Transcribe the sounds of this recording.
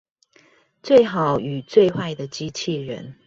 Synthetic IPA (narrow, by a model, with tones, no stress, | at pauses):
t͡swe˥˩ɪxɑ˨˦ʊy˨˩t͡swe˥˧ɪxwa˥˩ɪd̪ə˨t͡ɕi˦˥t͡ɕʰi˥˨ɻə̰˧˦n